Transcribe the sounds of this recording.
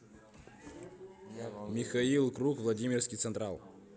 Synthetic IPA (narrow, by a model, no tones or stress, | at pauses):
mʲɪxɐilˠkɾukvlˠɐdʲimʲɪrfskʲɪjt̪sɨnt̪ɾalˠ